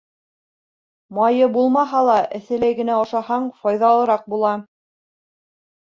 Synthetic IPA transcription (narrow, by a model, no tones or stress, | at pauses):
mɑjɤbulˠmɑɦɑlˠɑʔɘ̆θɘ̆læjɡɘ̆næoʃɑhɑɴfɑjðɑlˠɤ̆ɾɑq̚bulˠɑ